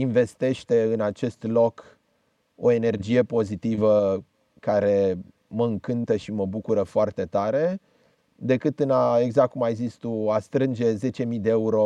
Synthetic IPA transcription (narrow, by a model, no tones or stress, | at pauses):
inve̞st̪e̞ʃt̪e̞ɨnat͡ʃe̞st̪lo̞k | o̞e̞ne̞rd͡ʒije̞po̞zit̪ivə | kaɾe̞ | məɨŋkɨnt̪əʃiməbukuɾəfoart̪e̞t̪aɾe̞ | d̪e̞kɨt̪ɨnae̞ɡzak̚kumaezist̪uast̪ɾɨnd͡ʒe̞ze̞t͡ʃe̞mid̪e̞euɾo̞